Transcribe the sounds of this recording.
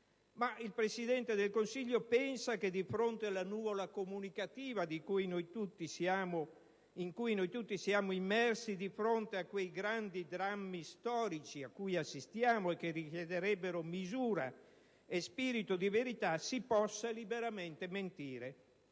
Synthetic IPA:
maʔilpɾesid̪ɛnt̪ed̪elkonsiʎːopɛnsaked̪ifɾont̪ealːanuːvolakomunikat̪iːvad̪ikujnojt̪ut̪ːisaːmo | iŋkujnojt̪ut̪ːisiaːmoimːɛrsid̪ifɾont̪eakːwejɡɾand̪id̪ɾamːist̪ɔːɾit͡ʃiakːujasːist̪jaːmoek̟ːerikjed̪eɾɛbːeɾomizuːɾa̰ | espiːɾit̪od̪iveɾit̪asipɔsːalibeɾamɛnt̪ement̪iːɾe

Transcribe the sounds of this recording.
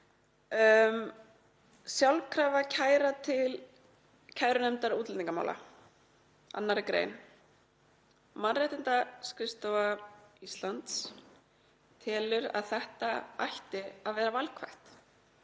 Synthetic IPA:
m | sjawlkʰɾaːvacʰaːjɾat̪ʰɪl | cʰaːjɾʏnɛmt̪aɾuːt̪lĩŋkama̰wla̰ | a̰nːaɾɪkɾḛːjn | manrejht̪ɪnt̪askɾɪst̪owvaist̪lant̪s | t̪ʰɛːlʏɾa̰ðθɛht̪aajht̪ɪaðvɛːɾavalkʰvajht̪

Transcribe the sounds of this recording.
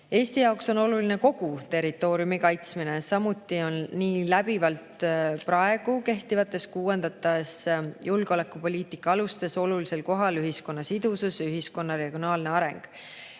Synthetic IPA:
e̞ːst̪ijɑokso̞no̞lulineko̞ɡ̥ut̪e̞ɾit̪ːˑo̞ːɾiumikɑjt̪sminesɑmut̪ːˑio̞nːiːlæb̥ivɑlt̪prɑe̞ɡ̥uke̞ht̪ivɑt̪ːˑe̞skuːwend̪̥ɑt̪ːˑɑsjulɡ̥ole̞kːˑupo̞lʲiːt̪ikːˑɑɑlust̪e̞so̞lulise̞lko̞ɦɑlyɦisko̞nːɑsid̪̥ususyɦisko̞nːɑɾe̞ɡ̥ijo̞nɑːlne̞ɑɾe̞ŋɡ̥

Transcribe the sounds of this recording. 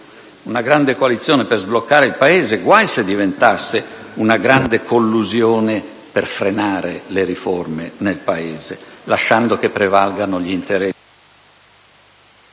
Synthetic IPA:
unaɡɾand̪ekoalit̪sːjɔːnɛperzblokːaːɾeilpaeːzeɡwajsed̪ːivent̪asːeunaɡɾand̪ekʰolːuzjɔːne | perfɾenaːɾeleɾifɔrmenelpaeːzelaʃːand̪okepːɾɛvalɡanoʎiint̪eɾɛ

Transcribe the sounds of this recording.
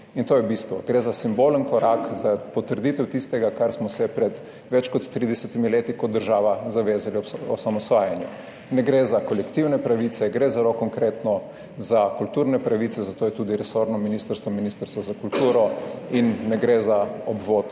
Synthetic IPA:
int̪oːjɛbist̪ʋɔ̰ɡɾezasimboːlənkɔɾakzapɔt̪əɾd̪it̪ɛwt̪ist̪ɛɡakaɾsmɔsɛpɾɛd̪ | ʋɛt͡ʃkɔt̪ːɾid̪ɛsɛt̪imileːt̪ikɔd̪ːəɾʒaːʋazaʋeːzaliɔ̰samɔsʋaːjanjɛ | nɛɡɾezakɔlɛkt̪iwnɛpɾaʋisɛɡɾezaɾokɔŋkɾeːt̪nɔ | zakult̪uːɾnɛpɾaʋit̪sɛzat̪oːjɛt̪uːd̪iɾɛsoːɾnɔminist̪əɾst̪ʋɔminist̪əɾst̪ʋɔzakult̪uːɾɔinːɛɡɾezaɔbʋot̪

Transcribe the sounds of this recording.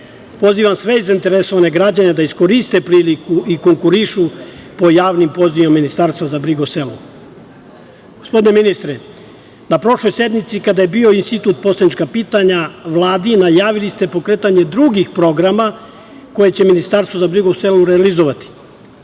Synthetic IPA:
po̞ziːʋamsʋe̞izaint̪e̞ɾeso̞ʋane̞ɡɾad͡ʑane̞d̪aisko̞ɾist̪e̞pɾiːlikuʔiko̞ŋkuɾiʃupo̞jaːʋnimpo̞ziimamːinist̪aɾst̪ʋazabɾiɡouse̞lṵ | ɡ̥ospd̪ine̞minist̪ɾe | napɾo̞ʃlˠo̞jse̞d̪mit̪sikad̪aje̞bio̞inst̪it̪uːt̪̚po̞slad̪nʲit͡ʃkapiːt̪aɲaʋlˠaːd̪inajaːʋilist̪e̞po̞kɾe̞ːt̪aɲe̞d̪ɾuɡixpɾo̞ɡɾama | ko̞je̞t͡ɕe̞minist̪aɾst̪vozabɾiɡouse̞luɾealizoʋat̪i̥

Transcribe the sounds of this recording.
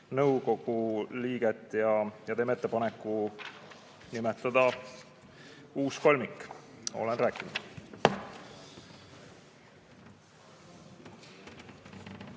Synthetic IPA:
nɤwko̞ɡ̥uliːɡ̥et̪ːˑjɑjɑt̪e̞ːmet̪ˑːepɑnekːˑu | nimet̪ːˑɑd̪̥ɑ | uːsko̞lʲmikˑːo̞̰lenɾæːkːˑinud̪̥

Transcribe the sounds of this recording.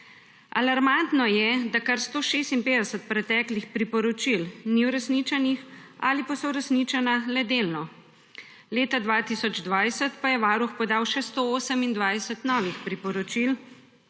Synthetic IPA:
a̰laɾmant̪nɔjɛd̪akaɾst̪oːʃeːst̪impeːd̪ɛsət̪̚pɾɛt̪ɛːklixpɾipɔɾɔt͡ʃilniwɾɛsnit͡ʃɛnixa̰ːlipasɔwɾɛsnit͡ʃanalɛd̪elnɔ | leːt̪ad̪ʋaːt̪isɔd͡ʒd̪ʋajsət̪pajɛʋaːɾuxpɔd̪aːwʃɛst̪ooːsəmind̪ʋajsət̪nɔːʋixpɾipɔɾɔt͡ʃil

